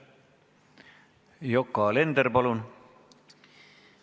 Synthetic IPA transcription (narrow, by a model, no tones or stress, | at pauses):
jokːˑɑle̞nd̪eɾpɑlun